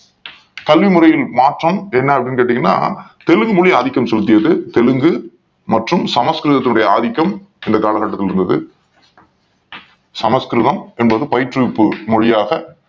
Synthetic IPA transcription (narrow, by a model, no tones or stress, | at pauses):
kɐlʋimʊrɐjɪlmaːʈrɐmɛnːɐɐpːɐɽɪnːkeːʈːɪŋɡɐnːa̰ːt̪ɛlɯŋɡɯmʊɻɪjɐːðɪkːɐmsɔlɯt̪̬ːɪjɐðɯt̪ɛlɯŋɡɯ | mɐʈrɯmsɐmɐskɾɯðɐt̪ːɪnʊɽɐjɐaðɪkːɐm | ɪnd̪ɐkaːlɐɣaːʈːɐt̪ːɪlɪɾɯnd̪ɐðɯ̰ | sɐmɐskɾɪðɐmɛnbɐðɯpɐjɪʈrɪpːɯmɔɻɪjaːɣɐ